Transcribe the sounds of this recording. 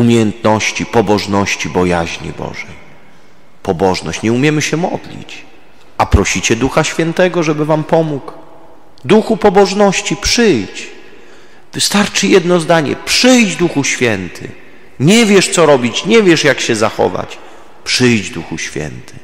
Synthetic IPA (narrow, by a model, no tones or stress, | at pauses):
umʲejɛnt̪nɔɕt͡ɕipɔbɔʐnɔɕt͡ɕibɔja̰ʑɲḭbɔ̰ʐɛj | pɔbɔʐnɔ̰ɕt͡ɕɲɛumʲjɛmɘɕɛmɔd̪lʲḭt͡ɕ | ʔapɾɔɕit͡ɕɛd̪uxaɕfʲjɛnt̪ɛɡɔʐɛbɘvampɔmuk | d̪uxupɔbɔʐnɔɕt͡ɕipʂɘjt͡ɕ | vɘst̪aɾt͡ʂɘjɛd̪nɔzd̪aɲɛ̰pʂɘjd͡ʑd̪uxuɕfʲjɛnt̪ʰɘ̰ | ɲɛvʲjɛʂt̪sɔɾɔbʲit͡ɕɲɛvʲjɛʂjakɕɛzaxɔ̰va̰t͡ɕ | pʂɘjd͡ʑd̪uxuɕfʲjɛ̰nt̪ʰɘ̥